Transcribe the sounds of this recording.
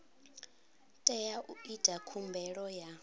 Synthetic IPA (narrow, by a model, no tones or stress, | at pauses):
tʼɛjaʔuid̥ʱakʰumbʱɛɺɔja